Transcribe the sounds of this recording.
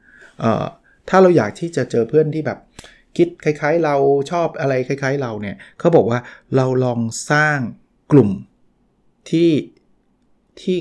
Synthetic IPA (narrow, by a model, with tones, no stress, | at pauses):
ʔə̰ː˨˩ | t̪ʰaː˥˩ɾa˧wjaː˨˩k̚t̪ʰiː˥˩t͡ɕa˨˩t͡ɕɤː˧pʰɯ˥˩ənt̪ʰiː˥˩bɛ̰ː˨˩p̚ | kʰi˦˥t̪̚kʰa˧˥jkʰaː˦˥jɾa˧wt͡ɕʰɔː˥˩p̚ʔa˧ɾa˧jkʰa˧˥jkʰaː˦˥jɾa˧wni˥˩ɐkʰa˦˥wbɔː˨˩k̚waː˥˩ɾa˧wlɔː˧ŋsaː˥˩ŋ | klu˨˩m | t̪ʰiː˥˩ | t̪ʰiː˥˩